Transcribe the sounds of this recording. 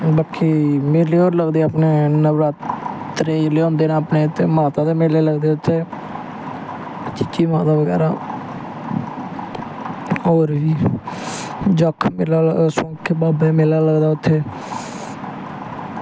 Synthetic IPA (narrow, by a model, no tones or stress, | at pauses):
bəkʰːiːmeːleːoːɾləɡd̪eːəpneːnəʋɾaːt̪ɾeːlːõːnd̪eːnaːpneːt̪ːeːmaːt̪aːd̪eːmeːleːləɡd̪eːʊt̪ʰːeː | t͡ʃɪt͡ʃːiːmãːd̪aːʋəɡɛ̰ːɾaː | oːɾʋiː | d͡ʒɔkʰmɪlaːləsõːkʰːbaːbeːmeːlaːləɡd̪aːʊt̪ʰːeː